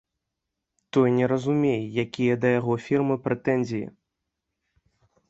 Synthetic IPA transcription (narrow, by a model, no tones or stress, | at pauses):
t̪ɔjnʲɛɾɐzumʲejɛjakʲijɐd̪ɐjaɣɔfʲirmɨpɾɛt̪ɛnʲzʲijḭ